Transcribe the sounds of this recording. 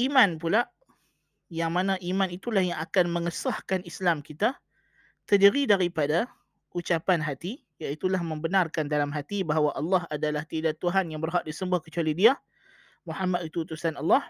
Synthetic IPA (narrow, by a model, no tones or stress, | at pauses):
ʔimãnpulaʔ | jaŋmãnãʔimãnit̪ulahjaŋakanmə̃ŋəsahkanislamkit̪a | t̪ərdiɾidaɾipada | ʔut͡ʃapanɦat̪i | jait̪ulahmə̃mbənarkandalamɦat̪ibaɦawaʔɑlːɑɦadalaht̪idat̪ːuɦanjaŋbərɦaʔ̚disəmbuahkət͡ʃualidia | muhamat̪̚it̪ut̪usanɑlːɑh